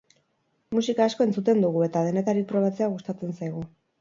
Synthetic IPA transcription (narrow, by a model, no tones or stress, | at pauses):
musikaːsko̞e̞nt͡sut̪e̞nd̪uɣue̞t̪að̞e̞ne̞t̪aɾipɾo̞βat͡se̞aɣust̪at͡se̞nsajɣ̞u